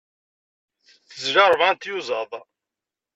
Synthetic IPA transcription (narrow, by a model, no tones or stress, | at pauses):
θθəzʒɑɾˤvant̪juzəðˤ